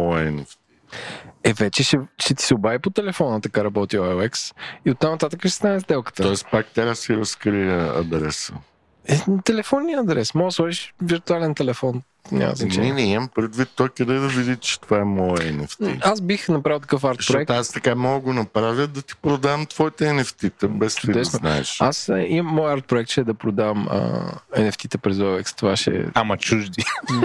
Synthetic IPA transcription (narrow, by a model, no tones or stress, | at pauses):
ɛnoft̪iɛvɛt͡ʃɛʃɛʃɛt̪i̥sɛobavipot̪ɛlɛfɔnət̪ɐkaɾɐbɔt̪iaɛksiot̪ːamnɐt̪at̪əkəʃɛ̥st̪anɛzd̪ɛlˠkə̥t̪əɔɛst̪pak̚t̪aɾasiɾɐskɾijəɐ̰d̪ɾɛsə | ɛt̪ɛlɛfɔnːiəɐd̪ɾɛsmɔɡslˠaʒiʃviɾt̪ualɛnt̪ɛlɛfɔn | nʲa̰znɐt͡ʃnɛɛnɛiməmpɾɛd̪vit̪ːɔjkɐd̪ɛjd̪ɐvid̪it͡ʃɛ̥t̪ovaɛmɔjəɛnɛft̪ḭazbixnɐpɾavəlˠt̪ɐ̥kəfaɾtʃpɾoɛkt̪ast̪ɐkamɔɡəɡonɐpɾavʲjəd̪ɐt̪i̥pɾod̪avəmt̪vɔit̪ɛɛnɛft̪it̪ɛbɛst̪id̪ɛsonaɛʃasimːɔjaɾt̪̚pɾoɛkt̪ʃɛd̪ɐpɾod̪avəmə̰ɛnɛft̪it̪ɛpɾɛzɔvɛkst̪ovaʃɛ̰amɐt͡ʃuʒd̪i